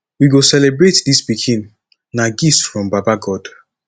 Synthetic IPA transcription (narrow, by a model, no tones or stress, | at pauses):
wiɡosɛlebɹetdisbikʰĩn | naɡisfɹɔ̃mbapaɡɔd̥